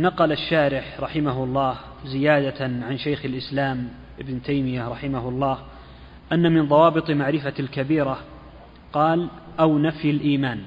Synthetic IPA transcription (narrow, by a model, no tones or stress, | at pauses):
nɑqɑlaʃːaːɾɪħɾˤɑħɪmaɦʊɑlˤːɑːh | zɪjaːd̪aʕanʃajxalʔɪslaːm | ʔɪbnt̪ʰajmɪjaɾˤɑħɪmahʊɑlˤːɑːh | ʔanːamɪnðˤɑwɑːbɨt̪ˤmaʕɾɪfalkabiːɾa | qɑːlʔawnafjalʔiːmaːn